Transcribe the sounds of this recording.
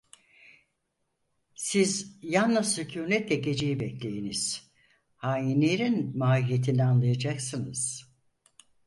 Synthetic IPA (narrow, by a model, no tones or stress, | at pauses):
sizjanːɯzycʰuːmɛt̪lʲɛɟe̞d͡ʒejibɛkclʲe̞jeniz̥ | haːjinʲeɾinmaːijet̪ʰinianlˠajad͡ʒaksɯnɯz̥